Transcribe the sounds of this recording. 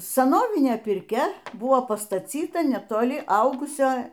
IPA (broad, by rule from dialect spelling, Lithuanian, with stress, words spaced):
sɐˈnoːʋʲɪnʲeː pʲɪrʲˈkʲɛ ˈbʊʋoː pɐstɐˈt͡sʲiːtɐ nʲɛtoːˈlʲɪ ˈɐʊɡʊsʲoː